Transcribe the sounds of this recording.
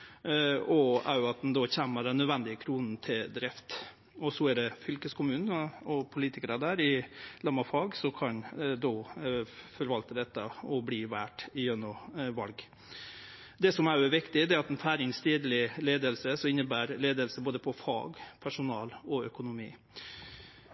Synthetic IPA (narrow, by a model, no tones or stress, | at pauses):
ɔæ̰ɾjʊɑt̪̚d̪ɛnd̪ɔçæmːəɖɛnːœd̪ʋɛnd̪ɪəkʰɾuːnn̩t̪ʰɪd̪ɾɪft̪ | ɔsɔæɖ̪ɛfʏlkəskʰʊmʉːnn̩ɔpʰʊliːt̪ɪkəɾəd̪æːɾɪlɑmːɑfɑːɡsɔkʰɑnd̪ɔ | fɔɾʋɑlt̪əd̪ɛt̪ːə̰ɔbliːʋæːʈɪjœnɔʋɑ̰lɡ | d̪ɛsɔmæɾjʊɛʋɪkt̪ɪd̪ɛɾɑt̪ɛnfæːɾɪŋst̪iːd̪lɪleːd̪əlsəsɔɪnːəbæːɾleːd̪əlsəboːd̪əpʰɔfɑ̰ːɡpʰæʂʊnɑːlɔœkʊnʊmḭː